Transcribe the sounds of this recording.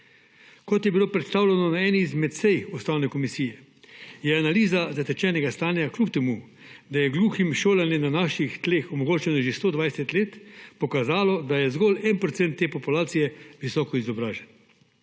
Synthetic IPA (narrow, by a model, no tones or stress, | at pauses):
kɔt̪jɛbiloːpɾɛt̪st̪aːwlɛnɔnaɛːnizmɛt̪sɛjust̪aːwnɛkɔmisiːjɛ | jɛanaliːzazat̪ɛt͡ʃɛːnɛɡast̪aːnjaklupt̪ɛmu | d̪ajɛɡluːximʃoːlanjɛmnanaːʃixt̪leːxɔmɔɡoːt͡ʃɛnɔʒest̪oːd̪ʋajsɛt̪leːt̪pɔkazaːlɔd̪ajɛzɡɔlɛnpɾɔt̪sɛnt̪ːeːpɔpulaːt̪sijɛʋisɔːkɔizɔbɾaːʒɛn